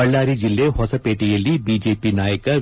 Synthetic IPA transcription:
ɐɭːaːɾid͡ʒilːeɦɔsɐpeːʈijɐlːibid͡ʒeːpinaːjɐkɐ

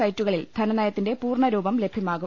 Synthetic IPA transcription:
ɐjtːuɣɐɭild̪ʰʱɐnɐnɐjɐt̪ːinde̞puːrɳɐɾuːbɐmle̞bʱjɐmaːɣu

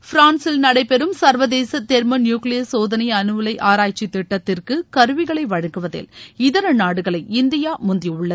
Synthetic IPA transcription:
fɪɾaːnsɪlnɐɽɐɪpːɛɾɯmsɐɾʋɐðeːsɐt̪ɛɾmɐnjuːkɭɪjɐsoːðɐnɐɪɐnɯʋɐlɐɪʔaːɾaːjt͡ʃːit̪ːɪʈːɐt̪ːɪrkɯkɐɾɯʋɪɣɐɭɐɪʋɐɻɐŋɡɯʋɐðɪ̰lɪðɐɾɐnaːɽɯɣɐɭɐɪɪnd̪ɪjaːmʊnd̪iʊɭːɐð

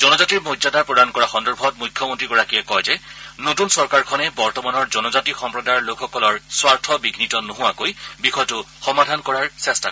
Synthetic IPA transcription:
d͡ʒɔnɔzatiɹmojzadaɹpɹɔdankɔɹaxɔndɔɹbʱɔt̚mujkʰjɔmontɹiɡɔɹakiɛkɔjzɛnotunsɔɹkaɹkʰɔnɛbɔɹtɔmanɔɹzɔnɔzatixɔmpɹɔdaɹlokʰxɔkɔlɔɹswaɹtʰɔbiɡʱnitɔnoɦʊakojbixɔjtʊ | xɔmadʱankɔɹaɹsɛsta̰

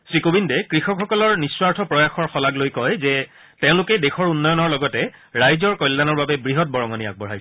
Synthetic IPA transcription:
sɹikobindɛkɹixɔkxɔkɔlɔɹniswaɹtʰɔpɹɔjaxɔɹxɔlaɡlojkɔjzɛ | teʊ̃lʊkɛdexɔɹunːɔjɔnɔɹlɔɡɔtɛɹajzɔɹkɔjlːanɔɹbabɛbɹiɦɔt̚bɔɹɔŋɔnia̰ɡ̚bɔɹɦajs

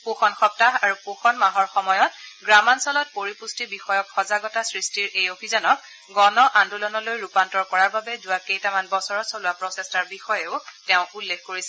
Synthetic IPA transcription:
puxɔnxɔp̚taɦaɹupuxɔnmaɦɔɹxɔmɔjɔt̚ɡɹamansɔlɔt̚poɹipustibixɔjɔkxɔzaɡɔtasɹistiɹʔejobʰʱizɔnɔk̚ | ɡɔnɔʔandʱulɔnɔlojɹupantɔɹkɔɹaɹbabɛzʊwakejtamanbɔsɔɹɔtsɔlʊwapɹɔsestaɹbixɔjeʊtɛʊ̃ulːexkoɹisɛ

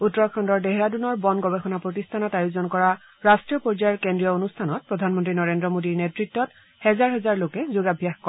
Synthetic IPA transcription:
utːɹɔkʰɔndɔɹdɛɦɛɹadunɔɹbɔnɡɔbɛxɔnapɹotistʰanɔtajozɔnkɔɹa | ɹastɹijɔpɔɹd͡ʒajɔɹkendɹijɔonustʰanɔt̚pɹɔdʱanmɔntɹinɔɹendɹɔmodiɹnetɹitːɔt | hɛzaɹɦɛzaɹlokɛzuɡabʱjaxkɔ

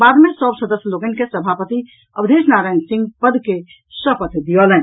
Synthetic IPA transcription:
bad̪mesəbsəd̪əsjlokənkesəbʱapət̪i | əbd̪ʱesnaɾaɪnsĩŋɡpəd̪ke | səpət̪d̪ijəlɛn

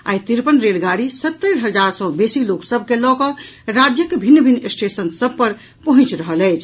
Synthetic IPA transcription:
a̰jt̪iɾpənɾelɡaɾisət̪ːəɾɦəd͡ʒaɾsɔ̃besiloksəb̚ʱkelɔkəɾad͡ʒjəkebʱinːbʱinːesʈesənsəb̚ʱpəɾ | pəɦə̃t͡ʃɾəɦəlɛjt͡ʃʰ

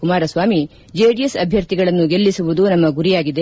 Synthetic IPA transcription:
kumaːɾɐsʋaːmi | d͡ʒeːɖijesɐ̰bʱjɐɾt̪iɡɐɭɐnːuɡe̞lːisuʋud̪unɐmːɐɡuɾijaːɡid̪e̞

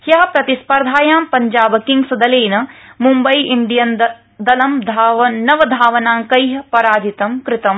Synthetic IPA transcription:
hjɐɦɐpɾɐt̪ispɐɾd̪ʱaːjaːmpɐɲd͡ʒaːbɐkiŋsɐd̪ɐleːnɐmumbɐjʔind̪ijɐn | d̪ɐlɐmd̪ʱaʋɐnɐʋɐd̪ʱaːʋɐnãːŋkɐjɦɐpɐɾaːd̪ʱit̪ɐmkɾɪt̪ɐm

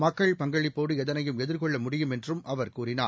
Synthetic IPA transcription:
mɐkːɐɭpɐŋɡɐɭɪpːoːɽɯɛðɐnɐjɯmɛðɪɾkɔɭːɐmʊɽɪjɯmɛndrɯmʔɐʋɐɾkuːɾɪnaː

